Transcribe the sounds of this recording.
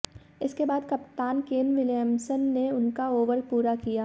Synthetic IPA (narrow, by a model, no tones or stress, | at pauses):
ɪskebaːd̪kɐpt̪aːnkeːnʋɪljəmsənːeʊnkaoːʋəɾpuːɾakijaː